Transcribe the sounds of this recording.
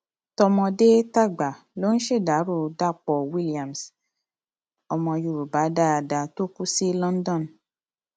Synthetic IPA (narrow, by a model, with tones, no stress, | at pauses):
tɔ˧mɔ̃˧de˦ta˦˨ɡ͡ba˨ | lo˦n̩˦ʃe˦˨da˨˦ɾu˦˨da˦˨k͡pɔ˨wi˦li˨ã˨m˨s | ɔ˧mɔ̃˧ju˧˨ɾu˨ba˨˦da˦a˧da˧to˦ku˦si˦lɔ̃˦n˦dɔ̃˦˨n